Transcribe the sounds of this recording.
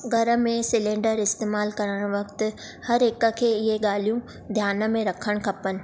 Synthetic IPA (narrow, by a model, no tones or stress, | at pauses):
ɡʱɐɾə̆mẽsɪlẽːɳɖəɾɪst̪eːmaːlkɐɾəɽ̃ʋɐkt̪̆ | hɐɾɪkə̆kʰeːɪɦeɠaːl̤ijũ | d̪ʱjaːnə̆mẽɾɐkʰəɽ̃kʰɐpənɪ̆